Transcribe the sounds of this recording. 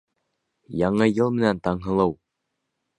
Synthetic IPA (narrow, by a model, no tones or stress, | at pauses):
jɑɴɤjɤlˠmɘ̆nænt̪ɑɴɦɤ̆lˠɤw